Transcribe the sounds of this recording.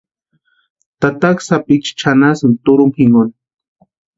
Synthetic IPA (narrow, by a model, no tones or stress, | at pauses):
t̪at̪aksapit͡ʃt͡ʃʰanasɨnt̪ʊɾʊmhiŋon